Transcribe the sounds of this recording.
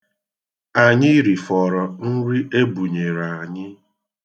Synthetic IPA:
a˨ɲɪ˦ɾi˨fɔ˨ɾɔ˨n̩˦ɾi˦ʔe˦bu˨ɲe˨ɾa˨a˨ɲɪ˦

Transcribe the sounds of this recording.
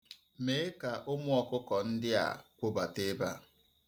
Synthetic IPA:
me˨˦e˦ka˨ʔʊ˦mʊ˦ɔ˨kʊ˦kɔ˨n̩˦dɪ˦a̰˨kʷo˦ba˨te˦ba̰˦

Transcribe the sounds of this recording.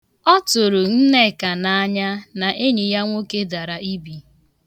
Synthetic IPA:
ɔ˦tʊ˨ɾʊ˨n̩˦ne˦˨ka˨na˨a˦ɲa˦na˨ʔe˦ɲi˨ja˦ŋʷo˦ke˦da˨ɾa˨i˦bi˨

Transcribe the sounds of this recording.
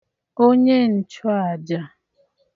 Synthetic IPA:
o˦ɲe˦n̩˨t͡ʃɔ˦a˨d͡ʒa˦

